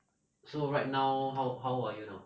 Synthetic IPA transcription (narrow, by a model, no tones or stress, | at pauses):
soɹajt̚nawɦawɦawajuno̰